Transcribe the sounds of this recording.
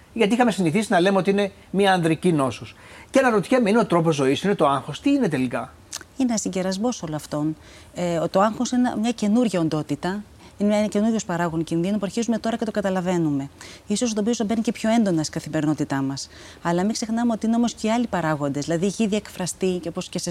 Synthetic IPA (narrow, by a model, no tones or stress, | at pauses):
ʝɐt̪iixɐme̞siniθisinɐlemeot̪iine | miɐːnðɾicino̞sus | cenɐɾot̪i̥çemeineot̪ɾo̞po̞zo̞isine̞t̪o̞ɐŋxo̞st̪iine̞t̪e̞likɐ | ineɐsiɟe̞ɾɐzmo̞so̞loɐft̪o̞n | et̪o̞ɐŋxo̞sin̰mɲɐce̞nuɾʝɐo̞nd̪o̞t̪it̪ɐ | inence̞nuɾʝo̞spɐɾɐɣo̞nicinðinupuɐɾçizume̞t̪o̞ɾɐcet̪o̞kɐt̪ɐlɐve̞nume̞iso̞sot̪opiosobe̞nicepço̞e̞nd̪o̞nɐst̪i̥ɡɐθime̞ɾino̞t̪it̪ɐmɐs | ɐlɐmikse̞xnɐme̞o̞t̪iine̞o̞mo̞sceiɐlipɐɾɐɣo̞nd̪ezðilɐðiʝiðiekfɾɐst̪icopo̞scese